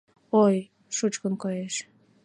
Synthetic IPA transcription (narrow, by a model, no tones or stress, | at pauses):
oj | ʃut͡ɕkənkojeʃ